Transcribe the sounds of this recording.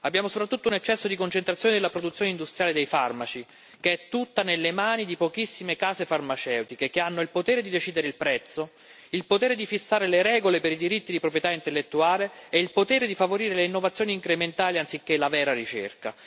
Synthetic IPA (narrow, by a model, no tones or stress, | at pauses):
abːjaːmosopɾat̪ːut̪ːounet͡ʃːɛsːod̪ikont͡ʃent̪ɾat̪sjoːned̪elːapɾod̪ut̪sːjoːneind̪ust̪ɾjaːled̪ejfarmat͡ʃi | k̟eɛt̪ːut̪ːanelːemaːnid̪ipokisːimekaːzefarmat͡ʃɛwt̪ikek̟eanːoilpot̪ɛːɾed̪id̪et͡ʃiːd̪eɾeilpɾɛt̪sːo | ilpot̪ɛːɾed̪ifisːaːɾeleɾɛːɡolepeɾid̪iɾit̪ːid̪ipɾop̬ɾjet̪aint̪elːet̪ːuaːleːilpot̪ɛːɾed̪ifavoɾiːɾeleinːovat̪sːjoːniːŋkɾement̪aːliant̪sikːelavɛːɾaɾit͡ʃḛrka